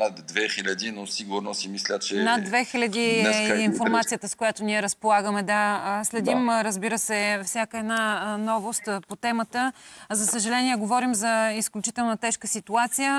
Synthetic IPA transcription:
nat̪d̪vɛxilʲɐd̪inosiɡuɾnosimislʲət͡ʃɛnad̪ːvɛxilʲɐd̪iɛinfoɾmat̪sijət̪əskojat̪oniɛɾəspolˠaɡəmɛd̪aslɛd̪imɾəzbiɾəsɛfsʲjakəɛd̪nanɔvost̪pot̪ɛmət̪əzɐsəʒɐlɛniɛɡovɔɾimzɐisklʲut͡ʃit̪ɛlˠnət̪ɛʃkəsit̪uat̪sijə

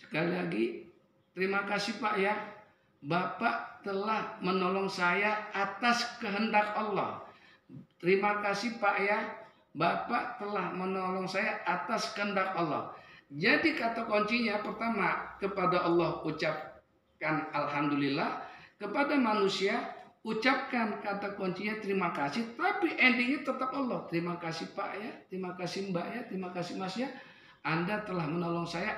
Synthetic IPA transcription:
sə̥kalilaɡi | t̪əɾimakasihpaʔja | bapaʔt̪əlahmənɔlɔŋsajaːt̪askəɦəndak̚ɔlːɔ̰h | t̪əɾimakasipaʔja | bapaʔt̪əlahmənɔlɔŋsajaʔat̪askəɦəndak̚ɔlːɔ̰hd͡ʒadikat̪akoɲt͡ʃiɲapərt̪amakəpadaʔɑlːɔhut͡ʃap̚ | kanalɦamdulilːahkəpadamanusiaut͡ʃap̚kankat̪akɔɲt͡ʃiɲat̪əɾimakasɪht̪apiʔɛndiɲat̪ət̪əp̚ɔlːɔht̪əɾimakasihpaʔjat̪əɾimakasimbaʔjat̪əɾimakasimasia | ʔandat̪əlahmənɔlɔŋsaja

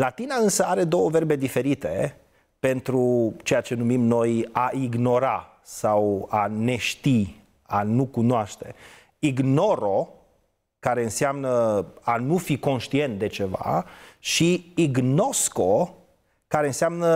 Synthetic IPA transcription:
lat̪inaɨnsəaɾe̞d̪o̞wəve̞rbe̞d̪ife̞ɾit̪e̞ | pe̞nt̪ɾut͡ʃe̞jat͡ʃe̞numimno̞jaʔiɡno̞ɾa | sawane̞ʃt̪i | anukunoaʃt̪e̞ | iɡno̞ɾo̞ | kaɾe̞ɨnseamnəanufiko̞nʃt̪ie̞nt̪̚d̪e̞t͡ʃe̞va̰ʃiiɡno̞sko̞ | kaɾe̞ɨnseamnə

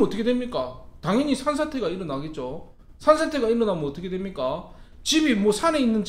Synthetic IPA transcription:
ʌt͈ʌkʰedwemɲik͈ataŋiɲisʰans̬ʰatʰe̞ɡaiɾʌnaɡe̞t̚t͡ɕ͈o | sʰansʰatʰe̞ɡaiɾʌnamɯnʌt͈ʌkʰe̞dwe̞mɲik͈at͡ɕibimwʌsʰane̞inːɯnd͡ʑ

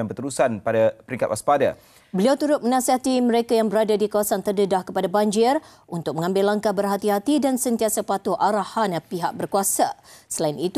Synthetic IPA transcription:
anbət̪əɾusanpadapəɾiŋkat̪ʔa̰spada | bəliawt̪uɾʊt̪̚mənasiat̪imə̃ɾekajaŋbəɾadadikawasant̪ərdədahkəpadaband͡ʒɪr | unt̪ʊk̚mə̃ŋãmbɪlːaŋkabərɦat̪iɦat̪idansənt̪iasapat̪oʔaɾahanpiɦak̚bərkuasasəlainit̪

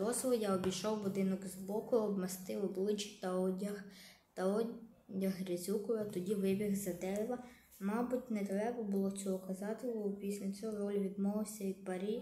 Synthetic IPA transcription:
ɔzʋɔjaɔbʲijʃɔwbʊd̪ɪnɔkzbɔkʊɔbmɐst̪ɪɔblˠɪt͡ʃɪ̥t̪ɐɔɐ | t̪ɐɔ | jɐɦɾʲɐzʲukɔʋɐt̪ɔdʲiʋɪbʲiɣzɐd̪ɛɾɪʋɐ | mɑbʊtʲnɛt̪ɾɛbɐbʊlˠɔt͡sʲɔɦɔkɐzɑt̪ɪlʲɔʊpʲisʲlʲɐt͡sʲɔɦɔɾɔlʲʋʲid̪mɔʋɪwsʲɐʋʲid̪̚pɐɾʲi

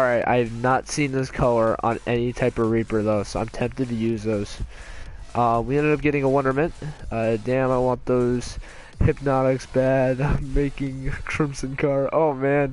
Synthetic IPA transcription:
ɹaɪta̰ɪvnətsĩnðɪskʰʌlˠə˞ʔə̰̃nɛnitʰaɪpʌvɹipə˞ðoʊsoʊã̰ɪ̃mtʰɛ̃mp̚tɨd̚tʰɨjʉzðoʊz̥ | ʔʌwiɛ̃ndɨɾʌp̚ɡ̥ɛɾɪ̃ŋəwʌ̃ndə˞mɨ̃nt̚ʌdæ̃maɪwɑ̃nðoʊz̥ | hɨp̚nɑɾɨksb̥ædãɪ̃mmeɪkɪ̃ŋkʰɹ̥ɪ̃mpsɨ̃nkʰɑɹoʊmæ̃n

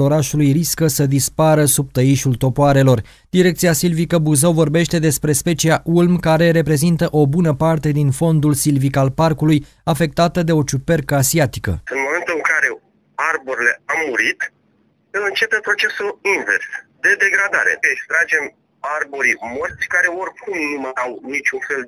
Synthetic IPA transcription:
o̞ɾaʃulujriskəsəd̪ispaɾəsub̚t̪əiʃult̪o̞poaɾe̞lo̞r | d̪̥iɾekt̪siasilvikəbuzawvo̞rbe̞ʃt̪e̞d̪e̞spɾe̞spe̞t͡ʃiaʔulmkaɾe̞ɾe̞pɾe̞zint̪əʔo̞bunəpart̪e̞d̪info̞nd̪ulsilvikalparkuluj | afe̞k̚t̪at̪əd̪e̞o̞t͡ʃupe̞rkəasiat̪i̥kə̰ɨnmo̞me̞nt̪ɨŋkaɾe̞ | arboɾile̞amːuɾit̪ | ɨlɨnt͡ʃe̞pepɾo̞t͡ʃe̞sulinvḛrsd̪e̞d̪e̞ɡɾad̪aɾe̞̰ekst̪ɾad͡ʒe̞m | arboɾimort̪sʲkaɾe̞o̞rkʰumnumaawnit͡ʃʲunfe̞l

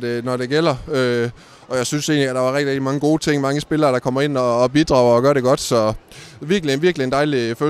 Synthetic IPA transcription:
d̥e̝nɒɾe̝ɡ̥el̰ɐø | ʔɒ̽jɑ̈ɪsynse̝̰ːnliæd̥ɑ̈ʋɑ̈ʁɛɡ̥̚i̥ʁeɡ̥̚d̥imɑ̈ŋəɡo̝ːt͡sʰe̝ŋ̰mɑ̈ŋəsb̥e̝lɐːɾ̥ɑ̈kʰɒ̽m̰ɐe̝n̰ɒ̽ːb̥id̥ʁɑ̈ʊɐɒ̽ɡ̥ɶɐɾ̥e̝ɡ̥ɒ̽d̥sɒ̽ʋiɐɡ̥lienʋiɐɡ̥lie̝nd̥ɑ̈ɪlifø

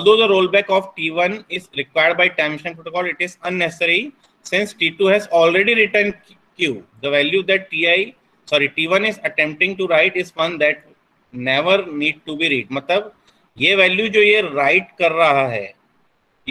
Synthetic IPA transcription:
ɔlˠd̪oːd̪əɾoːlbɛːkɔːfʈiːʋɐ̃nɪzɾɪkʋaɪəɾɖbaɪʈãmɪʃə̃npɾoːʈokɔːlɪʈɪzɐ̃nːɛsɪsəɾi | sɪ̃nsʈiːʈuɦɛzɔːlɾeɖiɾɪʈəɾɳɖ | kjuːd̪əʋɛljud̪ɛʈ̚ʈiːai | sɔːɾiʈiːʋɐ̃nɪzɐʈɛ̃mp̚ʈɪ̃ŋʈuɾaɪʈɪsʋɐ̃nd̪ɛʈ | nɛʋəɾniːɖ̚ʈubiɾiːʈ̚mɐt̪ləb | jeʋɛːljud͡ʒoːjeɾaɪʈ̚kɐɾːɐɦaɦɛ̰ː

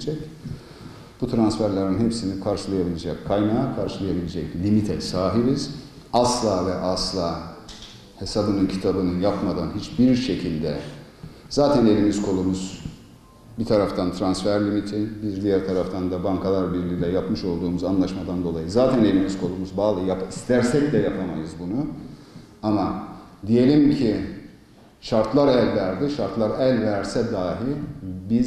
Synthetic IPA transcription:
d͡ʒɛc | b̥ut̪ʰɾansfæɾlʲeɾinɦepsinikʰaɾʃɯlˠajabilʲed͡ʒɛckʰːajnaːkʰaɾʃɯlˠajabilʲed͡ʒɛclʲimit̪ʰɛsaːɦibiz̥ | aslˠaːvɛʔaslˠaː | he̞sabɯnɯncʰit̪ʰabɯnɯnjapmad̪anɦit͡ʃbiɾʃe̞cʰilʲd̪ɛ | z̥aːt̪ʰæne̞lʲimizkʰo̞lˠumuz̥ | bit̪ʰaɾaft̪ʰant̪ʰɾansfæɾlʲimit̪ʰinbiɾd̪ijæɾt̪ʰaɾaft̪ʰand̪abaŋkʰalˠaɾbiɾbiɾlʲɛjapmɯʃo̞lˠd̪uːmuzanlˠaʃmad̪and̪o̞lˠajɯzaːt̪ʰæne̞lʲimizkʰo̞lˠumuzbaːlˠɯjapist̪ʰæɾsɛcd̪ɛjapʰama̰jɯzbunu | ama | d̪ije̞lʲimcʰi | ʃaɾt̪ʰlˠaɾælʲvæɾd̪iʃaɾt̪lˠaɾælʲvæɾsɛd̪aːɦibiz

